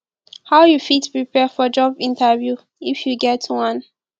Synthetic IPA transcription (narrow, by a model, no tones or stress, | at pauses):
haʊjufitpɹipɛfɔd͡ʒɔbĩntavju | ifjuɡɛtʰwʌ̃n